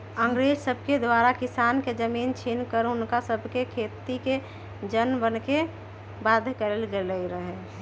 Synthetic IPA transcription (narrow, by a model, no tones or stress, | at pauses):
ə̃ŋɡɾeːd͡ʒsəbʱked̪waːɾakɪsaːnked͡ʒəmiːnt͡ʃʰinkəɾɦʊnkasəbʱkekʰeːt̪ike | d͡ʒənbənke | baːd̪ʱkeɾelɡeləiɾəɦɛ